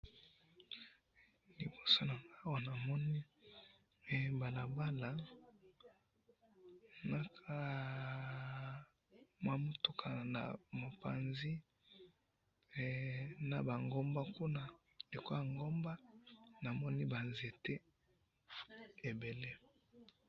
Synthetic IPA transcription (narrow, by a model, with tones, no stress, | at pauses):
li˨bo˨so˦na˨ŋɡa˦wa˨na˨mɔ˦ni˦˨ | ba˨la˨ba˦la˨ | na˦kʰa˦ | mwa˦mo˦tu˦kʰa˨na̰˨mo˨pa̰˨nzi˦˨ | na˨ba˨ŋɡo˦mba˦ku˦na˦ | le˨ko˦ja˨ŋɡo˦mba˦na˨mɔ˦ni˦ba˨nze˨te˦ | e˨be˨le˦